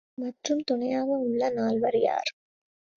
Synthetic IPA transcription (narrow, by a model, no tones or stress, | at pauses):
mɐʈrɯmt̪ʊɳɐjaːʋɐʊɭːɐnaːlʋɐɾɪja̰ːɾ